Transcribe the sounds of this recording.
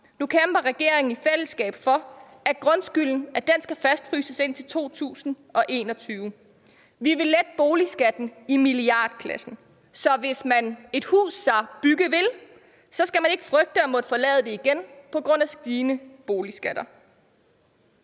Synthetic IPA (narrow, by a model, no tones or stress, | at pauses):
nukʰemb̥ɐʁɛɡ̥e̝ɐ̰eŋn̩ifel̰əsɡ̥ɛ̰ːb̥fɒ̽ | æɡ̥ʁɔ̽nsɡ̥yl̰n̩æd̥ensɡ̥æfæsd̥fʁy̰ːsəse̝n̰t͡sʰe̝lt͡sʰo̝̰ːt͡sʰṵːsn̩ | ʔɒ̽ʔe̝̰ːnɒ̽t͡sʰyːʊ | ʋiʋe̝lːed̥əb̥o̝ːlisɡ̥æd̥n̩imiliɑ̰̈ːd̥kʰlæsn̩ | sɒ̽ʋe̝smæne̝d̥hṵːsːɑ̈b̥yɡ̥əʋe̝l | sɒ̽sɡ̥æmæne̝ɡ̥əfʁœɡ̥̚d̥əɒmɔ̽d̥əfɒ̽lɛ̰ːð̩ˠd̥e̝iɡ̥enpʰɒ̽ɡ̥ʁɔ̽n̰æsɡ̥iːnəb̥o̝ːlisɡ̥æd̥ɐ